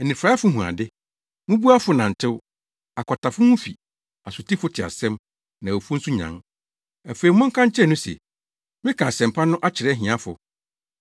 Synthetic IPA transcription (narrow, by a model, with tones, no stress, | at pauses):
ɛ˨nĩ˨fɾa˦a˦fʊ˦ɦũ˨a̰˨dɪ˦ | mʊ̃˦bu˦a˦fʊ˨nã˨n̩˨tʰɪ˦w | a˨kʰɔ˨tʰa˨fʊ˦hʊ̃˦fi˨ | a˨sʊ˨tʰi˦fʊ˦tʰɪ˨a̰˨sɛ̃˦m | nã˨o˨fu˦n̩˦su˦ɲã̰˨ŋ | æ˨fe˨i˨˦mʊ̃˦ŋ̩˦kʰã˦ɲ̩˦t͡ɕʰɪ˦ɛ˦˨nʊ̃˦sɛ̰˨ | mɪ̃˦kʰã˨sɛ̃˨mpʰa˦nʊ̃˦ʔa˦t͡ɕʰɪ˨ɾɛ˦ɦĩ˨ã˦fʊ˨